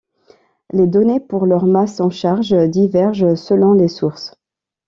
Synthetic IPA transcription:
led̪ɔnepuʁlœʁmasɑ̃ʃaʁʒd̪ivɛʁʒsəlɔ̃lesuʁs

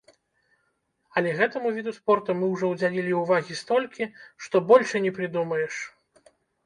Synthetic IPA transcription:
ɐlʲɛɣɛt̪ɐmuvʲid̪uspɔrt̪umɨwʐɔwd͡zʲalʲilʲiuvaɣʲist̪ɔlʲkʲiʂt̪ɔbɔlʲʂɨnʲɛpɾɨd̪umɐjɛʂ

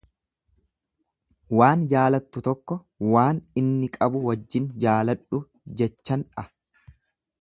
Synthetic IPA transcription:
waːnd͡ʒaːlɐt̪ːʊt̪ɔkːɔ | waːnɪnːɪkʼɐbʊwɐd͡ʒːɪnd͡ʒaːlɐᶑʊ | d͡ʒɛt͡ʃːɐnᶑɐ

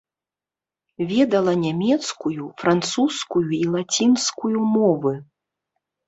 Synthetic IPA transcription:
vʲɛd̪ɐlˠɐnʲamʲɛt̪skujufɾant̪suskujuilˠat͡sʲinskujumɔvɨ

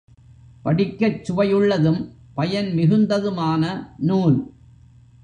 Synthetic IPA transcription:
pɐɽɪkːɐt͡ʃːʊʋɐjɯɭːɐðɯm | pɐjɐnmɪɣɯnd̪ɐðɯmaːnɐnuːl

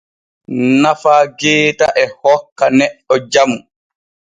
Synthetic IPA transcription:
nafaːɡɛːtaʔɛhɔkːanɛɗːɔd͡ʒamu

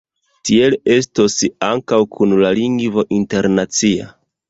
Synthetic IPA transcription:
tie̞le̞stosaŋkawkʰunlaliŋɡvo̞ʔinte̞ɾnat͡sia̰

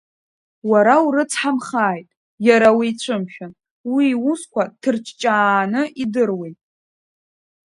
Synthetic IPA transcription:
waɾauɾɨt͡sʰħamχaːjtʼ | jaɾawiːt͡ɕʷʰɨmʃᶣan | wiːwuskʷʰatʰɨrt͡ʃʰʼt͡ʃʼaːnɨʔidɨrwejtʼ

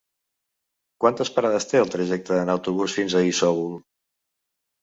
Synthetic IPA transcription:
kwant̪əspəɾaðəst̪eəlˠt̪ɾəʒɛk̚t̪əðənəwt̪uβusfinzəisɔɣulˠ

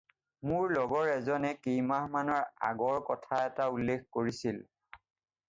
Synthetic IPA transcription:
mʊɹlɔɡɔɹɛzɔnɛkejmahmanɔɹa̰ɡɔɹkɔtʰaɛtaulːekkoɹisil

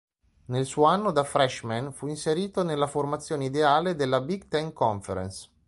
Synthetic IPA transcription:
nelsuːoanːod̪afɾɛʃmanfuinseɾiːt̪onelːaformat̪sːjoːneid̪eaːled̪elːabiɡt̪ɛŋkɔɱfeɾḛns

